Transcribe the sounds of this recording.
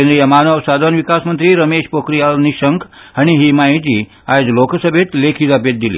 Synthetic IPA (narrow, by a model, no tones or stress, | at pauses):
enɾijəmaːnəʋsad̪ʱanʋikasmənt̪ɾiːɾəmeʃpokɾijalniʃəŋkʰ | aɽ̃iɦimaid͡ʑiː | ad͡zloksəbʱet̪lekʰiːt̪apet̪̚d̪ilḭː